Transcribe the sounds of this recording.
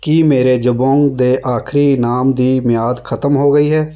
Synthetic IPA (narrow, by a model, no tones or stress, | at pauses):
kimeːɾed͡ʒʊbõːŋɡd̪eːʔaːkʰɾinaːmd̪iːmɪjaːd̪kʰət̪əmɦoːɡəiːɦɛː